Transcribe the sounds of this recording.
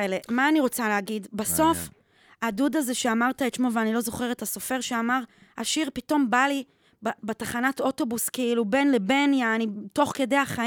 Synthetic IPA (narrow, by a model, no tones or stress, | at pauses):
elemaːniʁo̞t͡saleaɡidbaso̞f | adudaze̞ʃe̞amaʁt̪aet̪ʃmo̞veanilo̞zo̞χe̞ʁetaso̞fe̞ʁʃeamaʁ | ha̰ʃiʁpito̞mbali | bbetaχanato̞to̞buskeilube̞nle̞be̞njaːnito̞χke̞de̞jaχa